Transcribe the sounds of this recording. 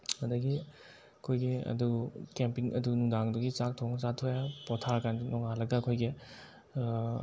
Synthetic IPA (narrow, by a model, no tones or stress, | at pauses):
ɐdɐɡi | ɐkʰojɡiɐ̰dukempiŋɐ̰dunuŋdaŋduɡit͡ʃak̚tʰɔŋt͡ʃatʰojapɔtʰaɾkannɔŋalɐɡɐːkʰojɡi